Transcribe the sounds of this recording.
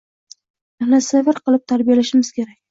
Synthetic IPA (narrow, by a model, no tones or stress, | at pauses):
anasevɪɾqɨlˠɪp̚t̪ʰaɾbijalaʃɪmɪz̥kʲe̞ɾakʲ